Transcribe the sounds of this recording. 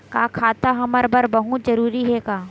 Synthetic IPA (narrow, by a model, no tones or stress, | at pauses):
kaːkʰaːt̪aɦɐməɾbəɾbɐɦut̪zɐɾuːɾiɦɛkaː